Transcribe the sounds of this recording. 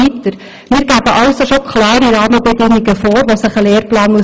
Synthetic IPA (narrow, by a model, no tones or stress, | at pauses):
it̪əɾ | mɪːɾɡæbəʔɑwsoʃokʰlɑːɾiɾɑːməbɛdɪŋːiɡəfoːɾʋosəχəleːɾplɑːnmuə